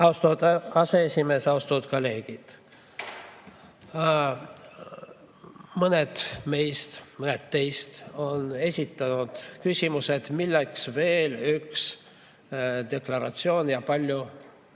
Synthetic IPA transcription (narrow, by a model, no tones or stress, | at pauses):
ɑust̪uːd̪̥ɑse̞esʲime̞ːsɑust̪uːd̪̥kole̞ːɡ̥id̪̥ | mɤne̞d̪̥me̞jst̪mɤnet̪t̪ːe̞jst̪o̞ne̞sʲit̪ːˑɑnud̪̥kysʲimuse̞d̪̥milːeksve̞ːlyks | d̪̥e̞klɑɾɑt̪sio̞ːnjɑpɑlʲju